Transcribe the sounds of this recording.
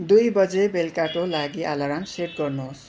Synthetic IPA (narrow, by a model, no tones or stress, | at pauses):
d̪ujbʌd͡zebelkaʈolaɡialaɾaŋseʈ̚ɡʌrnuɦos